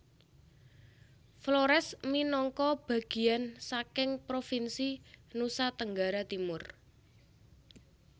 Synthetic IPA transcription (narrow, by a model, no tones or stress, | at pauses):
floɾɛsminɔŋkɔb̥a̤ɡ̥i̤ansakɪŋpɾofinsinusat̪əŋɡaɾat̪imʊr